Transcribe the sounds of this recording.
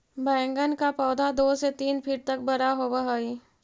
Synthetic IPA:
bɛ̃ːŋɡənkapɔːd̪ad̪oːset̪iːnpʰɪʈ̚t̪ɐk̚bɐɾaɦobaɦaiː

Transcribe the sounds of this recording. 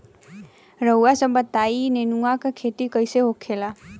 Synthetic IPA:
ɾəwasəmbət̪ainenuakakʰet̪ikəjseɦokʰela

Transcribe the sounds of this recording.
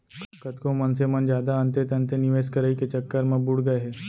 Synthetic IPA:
kkət̪kõmənsemənd͡ʑjad̪aːnt̪et̪ɐ̃nt̪eniʋeskəɾəiket͡ɕəkːəɾməbuɽɡəɦe

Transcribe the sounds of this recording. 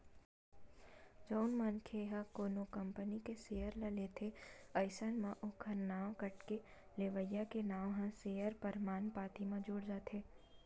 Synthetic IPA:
d͡ʒɐʊnmɐnkʰeɦakoːnokɐmpənikeseːjəɾlɐlet̪ʰeɐɪsənmãʔʊkʰənːaːwkɐʈke | leːʋəjakenaːwɦãseːjəɾpəɾmaːnpaːt̪imãd͡ʒʊːɽd͡ʒaːt̪ɦeː

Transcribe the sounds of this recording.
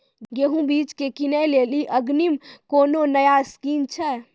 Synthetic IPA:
ɡeɦũbit͡ʃkekinəjleliʔəɡnimkononəjaskint͡ʃʰɛ

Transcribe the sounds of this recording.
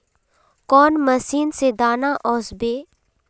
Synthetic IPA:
kɔːnməsiːnsed̪aːnaʔɔːsbeː

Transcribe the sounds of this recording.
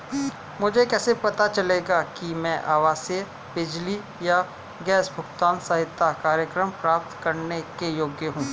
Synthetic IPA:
mʊd͡ʒʱekɛːsepɐt̪at͡ʃɐleːɡakimɛ̃ʔaːʋaːse | bɪd͡ʒli | ja | ɡɛːsbʱʊkt̪aːnsaɦɪt̪ʰːakaːɾjəkɾəmpɾaːp̚t̪kɐɾnekejoːɡjəɦũː

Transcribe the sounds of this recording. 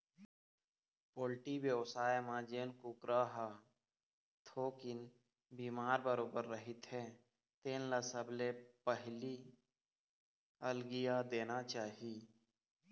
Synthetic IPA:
poːlʈiwjəwsaːjmãd͡ʒeːnkukɾaɦa | t̪ʰoːkɪn | biːmaːɾbəɾoːbəɾːəɦɪt̪ɦɛ | t̪eːnləsəblepəɦli | əlɡijad̪eːnat͡ʃaːɦiː

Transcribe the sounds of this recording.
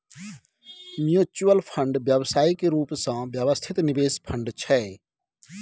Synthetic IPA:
mjuːt͡ʃuəlpʰə̃ɳɖʋjəʋsaːikeɾuːpsãːʋjəʋəst̪ʰɪt̪nɪʋeːspʰəɳɖt͡ʃʰɛː

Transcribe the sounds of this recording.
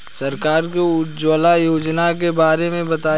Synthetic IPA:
sɐɾkaːɾkoʊd͡ʒoːlajoːd͡ʒnak̬ebaːɾemẽbɐt̪aː

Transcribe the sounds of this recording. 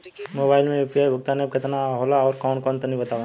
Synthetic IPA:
moːbaːɪlmẽɪpjaːbʱʊɡ̚t̪aneb̚kɐt̪naɦoːlaɔːɾkɔːnkɔːnt̪ɐnibɐt̪aːʋa

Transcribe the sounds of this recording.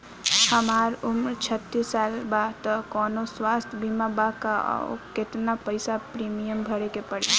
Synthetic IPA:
həmaɾumɾt͡ʃʰət̪ːisːalbat̪əkɔnoswast̪ʰbimabaka̰ket̪napəɪsapɾimijəmbʱəɽekepəɽḭ

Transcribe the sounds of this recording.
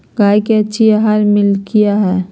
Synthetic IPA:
ɡaːjkeɐtːʃʰiaɦaːɾmɪlkijaɦɛː

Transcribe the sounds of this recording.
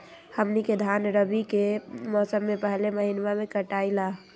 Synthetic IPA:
həmniked̪ʱanɾəbikemɔːsəmːepəɦleməɦinʋamekəʈaːila

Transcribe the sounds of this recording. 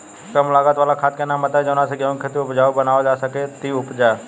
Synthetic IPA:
kəmlaɡat̪ʋalakʰat̪̚kenamət̪ad͡ʒəʋnãseɡəʋ̃kʰet̪iʊpd͡ʒaʋubənaʋod͡ʒasəket̪iʊpd͡ʒa

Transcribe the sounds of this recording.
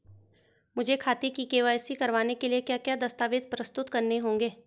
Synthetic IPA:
mʊd͡ʒʱekʰaːt̪ikikeːʋaːjsikɐɾʋaːnekeliekjaːkjaːd̪ɐst̪aːʋed̪pɾəst̪ʊt̪kɐɾneɦõːŋɡeː

